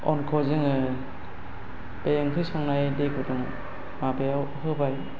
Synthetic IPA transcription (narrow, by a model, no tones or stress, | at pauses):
ɔnkʰɔzɯŋɯ | bejŋkʰɯjsɔŋnajdekʰudɔŋ | mabeawɦɯbaj